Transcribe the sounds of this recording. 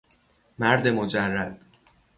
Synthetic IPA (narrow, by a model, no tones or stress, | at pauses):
mæɾd̪e̞mod͡ʒærːæd̪̥̚